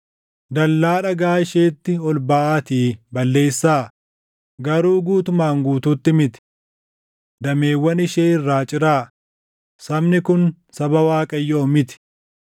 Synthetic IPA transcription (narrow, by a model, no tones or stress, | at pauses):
d̪ɐlːaːᶑɐɡaːɪʃeːt̪ːɪɔlbaːʔaːt̪iːbɐlːe̞ːsːaː | ɡɐɾuːɡuːt̪ʊmaːŋɡuːt̪uːt̪ːɪmɪt̪ɪ̥ | d̪ɐme̞ːwːɐnɪʃeːɪrːaːt͡ʃʼɪɾaː | sɐbnɪkʊn | sɐbɐwaːkʼɐjːoːmɪt̪ɪ̥